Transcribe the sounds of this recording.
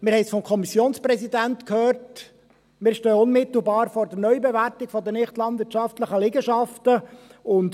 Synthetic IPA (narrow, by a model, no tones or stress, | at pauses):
mɪɾhɛɪsfɔmkʰɔmisjoːnspɾɛsidæntkhøːɾt | mɪːɾʃtøːʊnmɪt̪l̩ˠbɑːɾfɔɾdəɾnœʏbɛvæɾtɪɡ̥fɔdənɪχtlɑndvɪɾtt͡ʃɑftləχəlɪɡəʃɑftəʊnt